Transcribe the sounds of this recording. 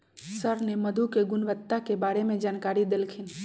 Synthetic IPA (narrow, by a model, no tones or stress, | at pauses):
səɾneməd̪ʱukeɡʊnʋət̪ːakebaːɾemẽd͡ʒaːnkaːɾid̪elkʰɪn